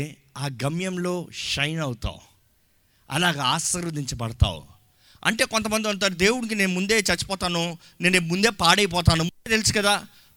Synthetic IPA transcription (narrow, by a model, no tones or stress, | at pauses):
aːɡɐmjɐmlo̞ːʃɐjnɐwut̪a̰ːwu | ɐ̰laːɡaaːsɐɾud̪iɲt͡ʃɐbɐɽɐt̪a̰ːwṵ | ɐ̰ɳʈe̞ːkont̪̬ɐmɐnd̪iɐɳt̪̬aːɾud̪e̞ːwunik̬ine̞ːnumund̪e̞ːt͡ʃɐt͡ʃːu̥pɔːt̪aːnu | ne̞ːnumund̪e̞ːpaːɽɐjp̬ɔːt̪̬aːnumud̪eːt̪elisu̥kɐd̪aː